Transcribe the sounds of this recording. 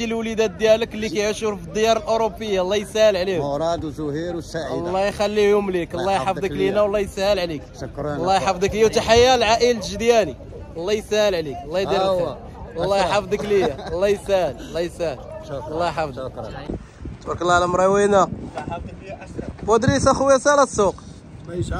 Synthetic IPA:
ilwlid̪æd̪jæləklːikæjʕʃuɾfid̪ːəjɑɾˤəlʔoɾopːəjːalˤːɑjsæhəlʕlihɾɑd̪zʊhiɾwsalːɑjxælːihʊmliklˤːɑjħɑfd̪ˤəklinawlːɑjshəlʕlik | lːɑjħɑfd̪ˤəklit̪aħajːalʕaʔəlʒd̪jæni | lˤːɑjsæhəlʕliklːɑiɾ | lˤːɑjħɑfd̪ˤəklijalˤːɑjsæhəllˤːɑjsæhəllˤːɑjħɑfd̪ˤ | t̪bɑɾkəlˤːɑʕlamɾˤɑwina | bɑd̪ɾisaxwjæsalæsːuq

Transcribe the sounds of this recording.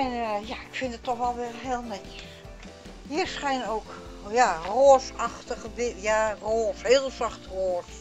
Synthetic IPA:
ɛnjaɪkfɪndətːɔxʋɛlˠʋɪrɦɪəlˠnɛːs | hiərsχɛjnowk | jaroːsɑxtəɣəbɪjaroːshɪːəlˠsaxtroːs

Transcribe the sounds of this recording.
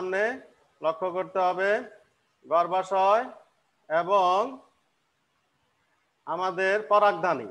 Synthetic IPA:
mne | lokʰːokoɾt̪eɦɔbe | ɡɔɾbaʃɔe | eboŋ | amad̪eɾpɔɾak̚d̪ʱanḭ

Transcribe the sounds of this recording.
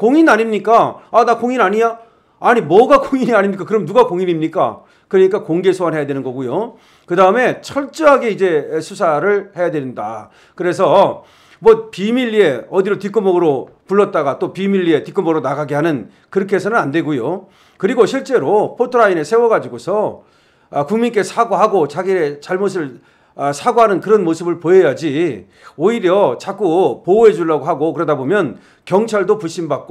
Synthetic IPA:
koŋinaɲimɲik͈aanakoŋinaɲiɲa | aɲimwʌɡakoŋiɲiaɲimɲik͈akɯɾʌmnuɡakoŋinimɲik͈a̰ | kɯɾʌɲik͈akoŋɡe̞sʰowanɦe̞jadwe̞nɯnɡʌɡujo | kɯdaɯme̞t͡ɕʰʌɭt͡ɕ͈ʌɦaɡe̞id͡ʑe̞sʰusʰaɾɯɭhe̞jadwennda̰ | kɯɾe̞s̬ʰʌ | mwʌpimiʎːie̞ʌdiɾotik͈ɯmʌɡɯɾopuɭːʌt̚t͈aɡat͈opimiʎːie̞tik͈ɯmʌɡɯɾonaɡaɡeɦanɯn | kɯɾʌkʰeɦes̬ʰʌnɯnandwe̞ɡujo | kɯɾiɡoɕʰiɭt͡ɕ͈e̞ɾopʰotʰɯɾaine̞sʰe̞wʌɡad͡ʑiɡosʰʌː | kuŋmink͈e̞sʰaɡoɦaɡot͡ɕaɡiɾet͡ɕaɭmos̬ʰɯɭ | sʰaɡoɦanɯnkɯɾʌnmosʰɯbɯɭpoejad͡ʑi | oiɾjʌt͡ɕak͈upouɦed͡ʑuɭːaɡoɦaɡokɯɾʌdabomjʌn | kjʌŋt͡ɕʰaɭdopuɕʰimbak͈o

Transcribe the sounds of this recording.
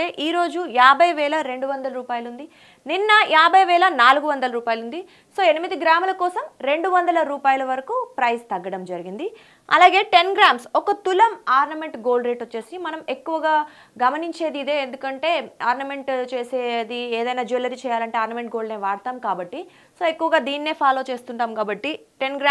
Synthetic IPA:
eːʔiːɾo̞ːd͡ʒujaːbʱɐjʋɛːlɐɾe̞ɳɖuʋɐnd̪ɐlɐɾuːpaːjɐlund̪i | ninːɐjaːbʱɐjʋɛːlɐnaːluɡuʋɐnd̪ɐlɐɾuːpaːjɐlund̪i | so̞ːenimid̪iɡɾaːmɐlɐkɔːsɐmɾe̞ɳɖuʋɐnd̪ɐlɐɾuːpaːjɐlɐʋɐɾɐkuːpɾɐjst̪ɐɡːɐɽɐmd͡ʒɐɾiɡind̪i | ɐ̰laːɡe̞ːʈe̞nɡɾaːmsɔkɐt̪ulɐmaːɾnɐme̞ɳʈɡo̞ːlɖɾe̞ːʈot͡ʃːe̞ːsimɐnɐme̞kːuʋɐɡaː | ɡɐmɐniɲt͡ʃe̞ːd̪iːd̪eːnd̪ukɐɳʈe̞ːaːɾnɐme̞ɳʈt͡ʃeːseːd̪ieːd̪ɐjnaːd͡ʒulɐɾit͡ʃɛːjaːlɐɳʈe̞ːaːɾnɐme̞ɳʈ̚ɡo̞ːlneːʋaːɽt̪aːmkaːbɐʈːi | so̞ːe̞kːuʋɐɡaːd̪iːniːe̞ːpʰaːlo̞ːt͡ʃe̞ːst̪uɳʈaːmkaːbɐʈːiʈenɡɾa

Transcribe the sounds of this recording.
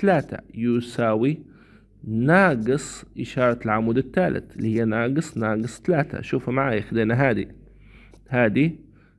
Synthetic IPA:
t̪alaːt̪a̰juːsaːwi | naːɡɨsˤʔɪʃɑːɾˤɑlʕamuːd̪ɪt̪ːaːlʔɪ̰t̪ɪlːihɪjːanaːɡɨsˤnɑːɡɨsˤt̪alaːt̪a̰ʃuːfamaʕaːjaxd̪eːnaɦaːd̪ḭ | haːd̪i

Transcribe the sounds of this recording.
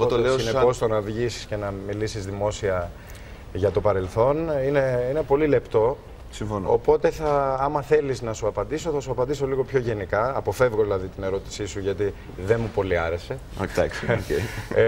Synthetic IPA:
ot̪olesineo̞st̪o̞nɐvʝisi̥sce̞nɐmilisizðimo̞siɐ | ʝɐt̪o̞pɐɾe̞lθo̞nine̞ine̞po̞lile̞pt̪o̞ | siɱfono̰po̞t̪e̞θɐɐmɐθe̞liznɐsuɐpɐnd̪iso̞θɐsuɐpɐnd̪iso̞liɣo̞pço̞ʝe̞nikɐːpo̞fe̞vɣo̞ðilɐðit̪ine̞ɾo̞t̪i̥sisuʝɐt̪i | ðe̞nmupo̞liɐɾe̞se̞ | o̰t̪ɐ̰koe

